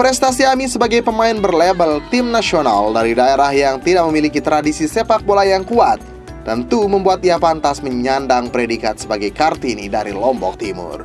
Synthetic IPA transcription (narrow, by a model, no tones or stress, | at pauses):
pɾɛst̪asiamisəbaɡajpəmaɪnbərlebəlt̪ɪmnasiona̰ldaɾidaeɾahjaŋt̪idaʔ̚məmilikit̪ɾadisisepak̚bolajaŋkuat̪̚ | d̪ənt̪uməmbuat̪iapant̪asməɲandaŋpɾedikat̪səbaɡajkart̪inḭdaɾilɔmbɔ̰k̚t̪imʊ̰r